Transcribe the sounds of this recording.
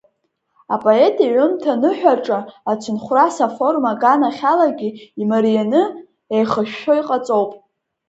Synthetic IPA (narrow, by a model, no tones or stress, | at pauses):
a̰pʼo̞e̞tʼiʕʷʊmtʰanɨħᶣaʈ͡ʂʼaːt͡ʃʷʰɨnχʷrasafo̞rmaɡanaχʲalaɡʲiimaɾijanɨ | ejχəʃᶣːo̞jqʼat͡sʼo̞wpʼ